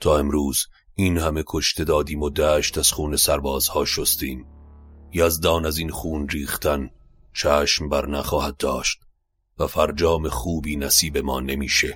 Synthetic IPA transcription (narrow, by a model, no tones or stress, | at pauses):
t̪ʰɒːe̞mɾuːz | iːnhæme̞kʰo̞ʃt̪ʰe̞d̪ɒːd̪iːmod̪æːʃt̪æz̥χuːne̞sæɾbɒːz̥hɒːʃost̪iːm | jɒːzd̪ɒːnæziːnχuːnriːχt̪æn | t͡ʃʰæːʃmbæɾnæχɒːhæd̪̚d̪ɒːʃt̪̚ | væfæɾd͡ʒɒːme̞χuːbiːnæsiːbe̞mɒːne̞miːʃe